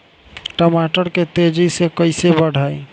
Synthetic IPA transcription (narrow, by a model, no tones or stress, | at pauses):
ʈəmaʈəɾket̪ed͡ʒisekəɪsebəɽ̤əj